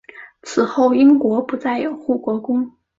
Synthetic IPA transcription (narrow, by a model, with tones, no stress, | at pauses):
t͡sʰɹ̩˨˩xo˥˩ʊi˥ŋkwɔ˧˥pu˧˥t͡sa˥˩ɪjo˨˩ʊxu˥˩kwɔ˧˥kʊ˥ŋ